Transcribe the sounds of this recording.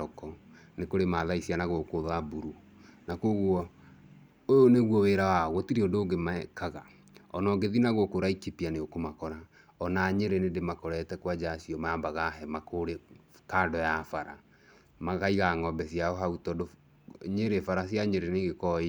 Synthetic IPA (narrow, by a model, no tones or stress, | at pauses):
ɔkɔ | nekoɾemaðaisianaɣɔkoðabuɾu | nakoɣwɔ | ojoneɣwɔweɾawaɣwɔtiɾiodoːɡemakaɣa | ɔnɔɡeðinaɣwɔkoɾaikipianeokomakɔɾa | ɔnaɲeɾenendemakoɾɛtɛkwad͡ʒasiɔmaambaɣaɦɛmakoɾekadɔjafaɾa̰ | maɣaiɣaŋɔmbɛsiaɔɦautɔːdo | ɲeɾefaɾasijaɲeɾeneɣekɔi